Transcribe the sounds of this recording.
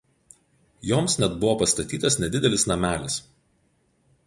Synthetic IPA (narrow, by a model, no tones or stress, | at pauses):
joːmsnʲɛd̪bʊʋoːpɐst̪ɐt̪ʲiːt̪ɐsnʲɛd̪ʲɪd̪ʲɛlʲɪsnɐmʲæːlʲɪs